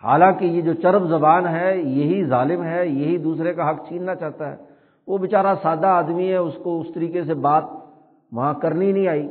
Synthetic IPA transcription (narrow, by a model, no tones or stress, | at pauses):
ha̰ːlãːkijed͡ʒoːt͡ʃɐɾbzɐbaːnɦɛjɐɦizaːlɪmɦɛjɐɦid̪uːsɾekaɦɐkʰt͡ʃĩːnnat͡ʃaːɦt̪aɦɛ̰ː | ʋobɪt͡ʃaːɾasaːd̪aaːd̪miɦɛʊskoʊst̪ɐɾiːkesebaːt̪̚ | ʋɐɦãkɐɾninɐɦĩaːiː